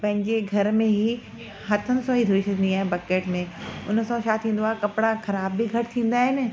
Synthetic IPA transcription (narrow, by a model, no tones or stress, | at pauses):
pɐ̃ɦɪ̃ɲd͡ʑeɡʱɐɾmẽɦi | hɐt̪ʰənɪ̆sɔɦid̪ʱʊɾɪʃənd̪iaːɦẽbɐkeːʈmẽʊn̆sɔ̃ʃaːt̪ʰĩːn̆d̪oaːɦekɐpɽaxɐɾaːbːiɡʱɐʈt̪ʰĩːn̆d̪aːɦɪnɪ̆